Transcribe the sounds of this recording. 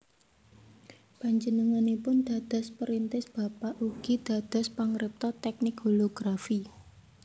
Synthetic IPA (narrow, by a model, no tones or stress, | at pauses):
paɲd͡ʒənəŋanipʊnd̪̥ä̤d̪̥ɔ̤spəɾint̪ɪsb̥a̤paʔuɡ̥id̪̥a̤d̪̥ɔ̤spaŋɾɪp̚t̪ɔt̪ɛk̚nɪkɦoloɡ̥ɾafi